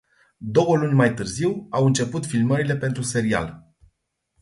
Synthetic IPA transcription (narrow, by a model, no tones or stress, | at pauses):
d̪o̞wəlunʲmajt̪ɨrziwawɨnt͡ʃe̞put̪filməɾile̞pe̞nt̪ɾuse̞ɾia̰l